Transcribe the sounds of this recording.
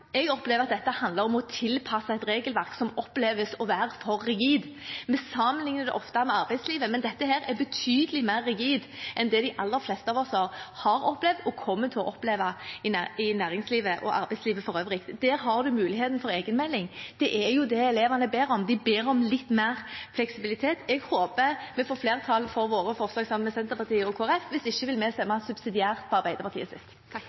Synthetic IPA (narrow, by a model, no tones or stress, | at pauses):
ɛɡɔpleːʋəɾɑt̪̚d̪ɛt̪ːəhɑnd̪ləɾɔmɔt̪ʰɪlpʰɑsəɛɪt̪ɾeːɡəlʋæɾksɔmɔpːleːʋəsɔʋæːɾfɔɾːɪɡiːd̪ | mɛsɑmənlɪŋnəɾd̪ɛ̰ʔɔft̪ɑmɛɑɾbæɪsliːʋəmɛnd̪ɛt̪ːəhæːɾɛbət̪ʰyːd̪əlɪmæɪɾːɪɡiːd̪ʔɛnd̪ɛd̪ɪʔɑlːəɾflɛst̪əɑːʋɔsɑɾhɑɾɔplɛʋd̪ɔkʰɔmːət̪ʰːɪlɔʔɔpleːʋɑɪnɪnæːʁɪŋsliːʋəʔɔ̰ʔɑ̰ɾbæɪsliːʋəfɔɾœʋɾɪk̚t̪d̪̥æːɾɦɑɾd̪ʉmʉːlɪheːt̪n̩fɔɾeːɡənmɛlːɪŋd̪̥ɛʔɛɾjʊd̪ɛɛleːʋɑnəbeːɾɔmd̪ɪbeːɾɔmlɪt̪ːmeːʁflɛksɪbɪlɪt̪ʰeːt̪ɛɡhoːpəmɛfoːfleːʁt̪ʰɑlfɔɾʋoːɾəfɔʁslɑːɡsɑmmɛsɛnt̪əɾpɑʁt̪ʰiːɔkʰoːæɾɛfʋɪsɪçːəʋɪlmɛst̪ɛmːɑsʉbsɪd̪ɪæːʁt̪̚pʰɔɑʁbæɪd̪əɾpɑʁt̪ʰiːəsɪ̰st̪ː